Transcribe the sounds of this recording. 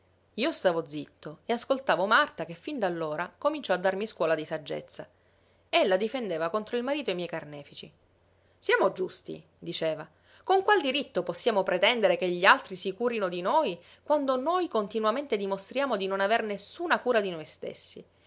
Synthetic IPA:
iːost̪aːvod̪zit̪ʰːoeaskolt̪aːvomart̪akefːind̪alːoːɾakomint͡ʃɔad̪ːarmiskwɔːlad̪isad͡ʒːḛt̪sːa | elːad̪ifend̪eːvakont̪ɾoilmaɾiːt̪oeimjɛjkarnɛːfit͡ʃi | sjaːmod͡ʒust̪ḭ | d̪it͡ʃeːva | koŋkwald̪iɾit̪ːoposːjaːmopɾet̪ɛnd̪eɾekeʎːialt̪ɾisikuːɾinod̪inoj | kwand̪onojkont̪inwament̪ed̪imost̪ɾjaːmod̪inonavernesːuːnakuːɾad̪inojst̪ḛsːḭ

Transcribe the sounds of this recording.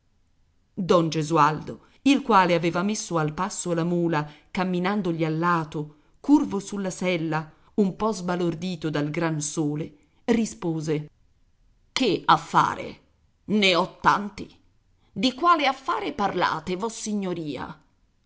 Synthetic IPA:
d̪ɔnd͡ʒezuald̪o | ilkwaːleaveːvamesːoalpasːolamuːlakamːinand̪oʎialːaːt̪o | kurvosulːasɛlːa | umpɔzbalord̪iːt̪od̪alɡɾansoːle | rispoːze | keafːa̰ːɾḛ | neɔt̪ːa̰nt̪i | d̪ikwaːleafːaːɾeparla̰ːt̪evɔsːiɲːoɾiːa̰

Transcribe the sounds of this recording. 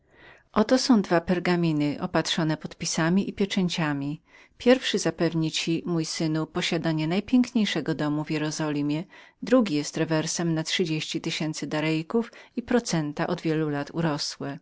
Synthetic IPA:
ʔɔt̪ɔsɔ̃w̃d̪vapɛɾɡamʲinɘʔɔpat̪ʂɔnɛpɔt̪pʲisamʲiʔipʲjɛt͡ʂɛɲt͡ɕamʲi | pʲjɛɾfʂɘzapɛvɲit͡ɕimujsɘnupɔɕad̪aɲɛnajpʲjɛŋkɲejʂɛɡɔd̪ɔmuvʲjɛɾɔzɔlʲimʲjɛd̪ɾuɡʲijɛst̪ɾɛvɛɾsɛmnatʂɘd͡ʑeɕt͡ɕit̪ɘɕɛnt̪sɘd̪aɾɛjkufipɾɔt̪sɛnt̪aʔɔd̪vʲjɛlulat̪ṵɾɔswɛ

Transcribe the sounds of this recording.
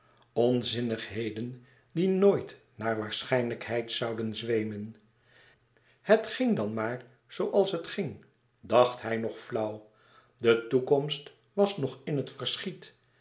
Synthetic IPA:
ɔnzɪnəχɦejdən | dinoːjt | naːɹʋaːɹsχɛjnləkhɛjtsʌwdənzʋejmən | hətχɪŋdɑnmaːɹ | z̥owʔɑlˠsɦətχɪŋ | dɑχtɦɛjnɔχflʌw | dətukɔmst | ʋɑsnɔχɪnɦətfəɹsχit

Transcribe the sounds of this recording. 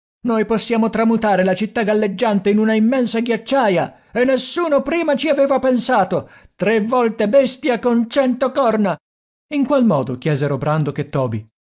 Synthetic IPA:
nojposːjaːmot̪ɾamut̪aːɾelat͡ʃit̪ːaɡalːed͡ʒːant̪einunaimːɛnsaɡjat͡ʃːaːja | enːesːuːnopɾiːmat͡ʃiaveːvapensaːt̪ot̪ɾevːɔlt̪ebɛst̪jakont͡ʃɛnt̪okɔrna | iŋkwalmɔːd̪ok̟jɛːzeɾobɾand̪oket̪ːɔːbḭ

